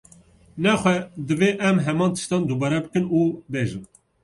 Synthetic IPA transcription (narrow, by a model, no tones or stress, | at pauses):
nɛxʷɛd̪ɨveːʔɛmɦɛmɑːnt̪ʰɨ̥ʃt̪ɑːnd̪ubɑːɾɛbɨkɨnuːbeːʒɨn